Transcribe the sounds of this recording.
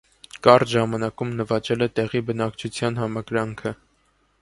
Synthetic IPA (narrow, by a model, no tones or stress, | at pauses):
kɑrʒɑmɑnɑkumnəvɑt͡ʃɛlɛt̪ɛʁibənɑkt͡ʃʰut͡sʰjɑnɦɑmɑɡɾɑŋkʰə